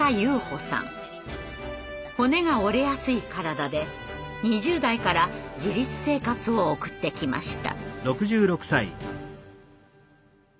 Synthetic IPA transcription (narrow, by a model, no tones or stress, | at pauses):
ajɯːho̞sã̰ŋ | ho̞ne̞ɡao̞ɾe̞jasɨikaɾad̪ad̪e̞ | ɲ̟iʑɨːd̪aikaɾad͡ʑiɾʲit͡sɨ̥se̞ːkat͡sɨo̞ːkɯ̟̥t̪ːe̞kʲima̰ɕi̥t̪a̰ɾo̞kɯ̟ʑɨːɾo̞kɯ̟̥saḭ